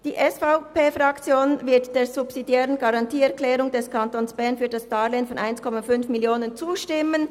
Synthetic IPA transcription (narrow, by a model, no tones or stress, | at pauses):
d̥iːʔɛsfaʊpeːfʁɑkt͡sjoːnvɪɐtd̥eːɐzubsidjɛːʁənɡaɑʁɑntiːɛʁklɛːʁʊŋdɛskʰɑntoːnsb̥ɛɐnfyːɐdasd̥aːleːnfɔnʔaɪnskʰɔmafʏnfmɪljoːnənt͡suːʃtɪmən